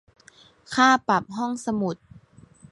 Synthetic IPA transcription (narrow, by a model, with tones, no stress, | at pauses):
kʰaː˥˩pa˨˩p̚ɦɔ˥˩ŋsa˧mu˨˩t̪̚